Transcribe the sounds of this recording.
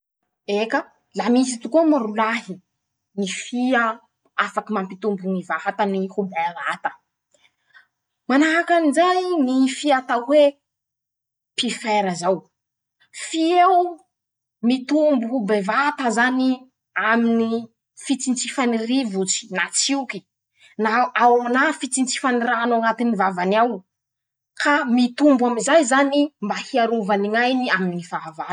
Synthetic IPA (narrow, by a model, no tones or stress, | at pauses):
ekə | lamisit̪ukumaɾulaɦi | nifiə | afakimampit̪umbuŋivaɦat̪ənihubevat̪ə̥ | manaɦakanizajnifiat̪awwe | pifeɾəzaw | fiew | mit̪umbubevat̪azani | amini | fit͡sint͡sifanirivut͡si̥nat͡siuki̥ | naawanafit͡sint͡si̥faniɾanaŋat̪inivavanaw | kʰamit̪umbwaminzajzanimbahiaɾuvaniŋajniaminnifaava